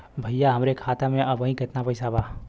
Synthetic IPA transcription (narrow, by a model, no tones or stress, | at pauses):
bʱəjːaɦəmɾekʰaːt̪amẽʔɐbə̃ĩkɪt̪napəɪsaba